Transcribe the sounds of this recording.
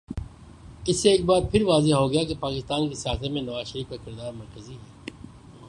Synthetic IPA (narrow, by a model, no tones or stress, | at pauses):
ɪsːeeːk̚baːd̪̚pʰɪɾʋaːzeɦɦoɡɐjakepaːkɪst̪aːnkesɪaːsemẽnɐʋaːzʃəɾiːfkakɪɾd̪aːɾmɐɾkəziɦɛː